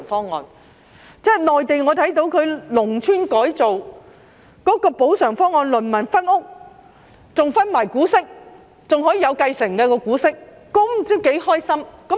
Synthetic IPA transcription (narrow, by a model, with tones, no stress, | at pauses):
ŋfɔː˥ŋːɔ̰ː˨˧n | t͡sɛː˥nɔː˨jt̪e˨˩jŋɔː˨˧t̪ʰɐ˨˥jt̪̬o˨˧˥wkʰɵ˨˧ɥlʊ˨˩ŋt͡sʰyː˥nkɔː˨˥jt͡so˨w | kɔː˨˥kɔː˧po˨˥wsœː˨˩ŋfɔː˥ŋɔː˨nlɵ˨˩nmɐ˨˩nfɐ˥nʊ˥k̚ | t͡sʊ˨ŋfɐ˥nmaː˨˩jkuː˨˥sɪ˥k̚ | t͡sʊ˨ŋɦɔː˨˥jiː˧jɐ˨˧wkɐ˧jsɪ˨˩ŋkɛː˧kɔː˧kuː˨˥sɪ˥k̚ː | ɔː˨˥m̩˨˩t͡si˥ke˨˥jhɔː˥jsɐ˥mkɐ˨˥